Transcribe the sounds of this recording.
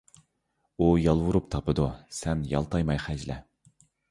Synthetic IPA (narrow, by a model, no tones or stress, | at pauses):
ujɑlˠwuɾup̚t̪ʰɑpɨd̪usɛnjɑ̰lˠt̪ʰɑjmɑjχæd͡ʒlɛ̰